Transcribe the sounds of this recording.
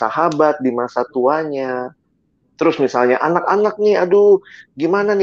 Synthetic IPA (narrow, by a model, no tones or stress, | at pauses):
a̰hɦabat̪̚dimasat̪uaɲa | t̪əɾʊsmisalɲaʔanakanak̚nɪaduɡimananɪ